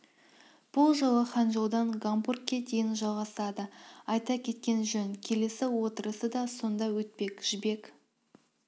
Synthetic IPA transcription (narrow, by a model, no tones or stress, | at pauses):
b̥ʊlˠʒolˠəχɑnʒowd̪ɑɴɡamburk̚kʲed̪e̞jɪnʒɑlˠʁɑsɑd̪əɑjt̪ɑkʲʰe̞t̪̚kʲe̞nʒɵŋkʲʰe̞le̞sɪwo̞t̪əɾəsəd̪ɑso̞nd̪ɑwɵt̪̚pe̞kʒ̥ʏbe̞k